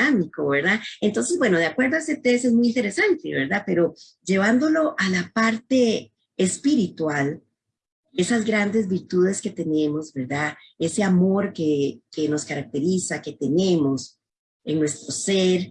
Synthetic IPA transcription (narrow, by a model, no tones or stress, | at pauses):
amiko̞βe̞ɾðaent̪o̞ns̬e̞zbwe̞no̞ðeakwe̞ɾd̪oaeset̪esezmujint̪eɾe̞sant̪ḛβe̞ɾd̪ape̞ɾo̞ | d͡ʒe̞β̞and̪o̞lo̞ʔalapaɾt̪e̞ː | spiɾit̪wal | e̞sazɡɾand̪e̞zbiɾt̪uð̞e̞ske̞t̪e̞ne̞mo̞zbe̞ɾd̪a | e̞se̞amo̞ɾkekeno̞skaɾak̚t̪e̞ɾisake̞t̪e̞ne̞mo̞s | eŋnwe̞st̪ɾo̞seɾ